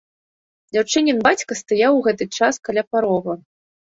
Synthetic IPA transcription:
d͡zʲawt͡ʂɨnʲɛnbat͡sʲkɐst̪ajawɣɛt̪ɨt͡ʂaskalʲapaɾɔɣɐ

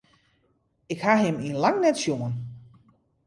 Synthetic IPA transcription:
ɪkhaɦɪmiənlaŋnɛtsjuŋən

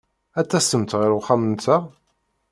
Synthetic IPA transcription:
æt͡sːæsəmt̪ʁɪɾʊχamənt͡sːæ

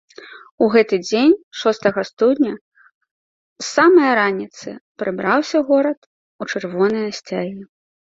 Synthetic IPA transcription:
uɣɛt̪ɨd͡zʲenʲʂɔst̪ɐɣɐst̪ud̪ʲnʲɐ | samɐjɐɾanʲit̪sɨpɾɨbɾawsʲɐɣɔɾɐt̪ | ut͡ʂɨrvɔnɐjɐsʲt͡sʲaɣʲi

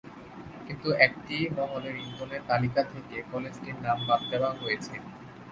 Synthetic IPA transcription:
kint̪uɛk̚ʈimɔŋoleɾintoneɾt̪alikat̪ʰekekɔled͡ʑʈiɾnambab̚d̪ɛoaɦojet͡ɕʰe

